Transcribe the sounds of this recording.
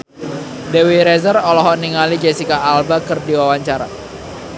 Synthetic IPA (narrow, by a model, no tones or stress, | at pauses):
dewiɾɛzərɔlɔɦɔniŋalid͡ʒɛsikaːlbakɨrdiwawaɲt͡ʃaɾa